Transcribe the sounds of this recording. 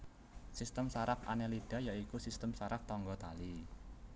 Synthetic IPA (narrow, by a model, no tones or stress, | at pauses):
sist̪əmsaɾapa̰nelid̪̥a̤jaikusist̪əmsaɾap̚t̪ɔŋɡɔt̪ali